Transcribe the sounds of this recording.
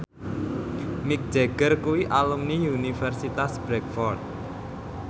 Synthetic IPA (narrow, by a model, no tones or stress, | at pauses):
mik̚d̥d͡ʒ̥eɡ̥ərkuwiʔalumniunifɛrsit̪asb̥ɾɛkfɔrt̪̚